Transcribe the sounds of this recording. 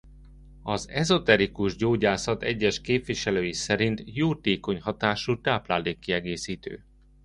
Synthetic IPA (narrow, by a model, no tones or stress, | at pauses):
ɒzɛzo̞t̪ɛɾikuʒɟoːɟaːsɒt̪ɛɟːɛʃkeːpʋiʃɛløːjisɛɾint̪juːt̪eːko̞ɲhɒt̪aːʃuːt̪aːplaːleːkːiɛɡeːsiːt̪ø̰ː